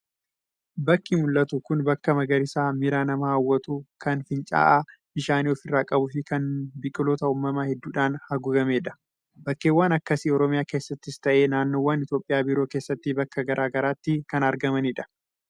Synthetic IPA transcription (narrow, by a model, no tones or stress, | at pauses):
bɐkːimʊlːɐt̪ukʊnbɐkːɐmɐɡɐɾɪsaːmɪɾaːnɐmɐawːɐt̪uːkɐnfɪnt͡ʃʼa̰ːʔabɪʃaːniɔfɪrːaːkʼɐbʊfɪkɐnbɪkʼːɪloːt̪ɐuːmːɐmahɛd̪ːuːᶑaːnhɐɡʊɡɐme̞ːᶑɐ̥ | bɐkːeːwːaːnɐkːɐsiɔɾɔmɪjaːke̞ːsːɐt̪ːɪst̪ɐʔeːnaːnːoːwːaːnɪt̪jo̞ːpʼɪjaːbɪɾo̞ːke̞ːsːɐt̪ːɪbɐkːɐɡɐɾʔaːɡɐɾaːt̪ːɪkɐnɐɾɡɐmɐnɪᶑɐ̥